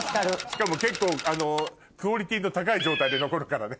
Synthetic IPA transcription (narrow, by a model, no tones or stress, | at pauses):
kaɾɯɕi̥kamo̞ke̞kːo̞ːano̞ | kɯ̟oɾʲit̪ʲiːno̞t̪akaid͡ʑo̞ːt̪aid̪e̞no̞ko̞ɾokaɾane̞